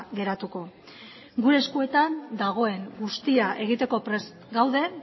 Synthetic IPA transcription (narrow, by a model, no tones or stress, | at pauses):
ɣe̞ɾat̪uko̞ | ɡuɾe̞ːskue̞t̪and̪aɣ̞o̞e̞ŋɡust̪iaʔe̞ɣ̞it̪e̞ko̞pɾe̞s | ɡawðe̞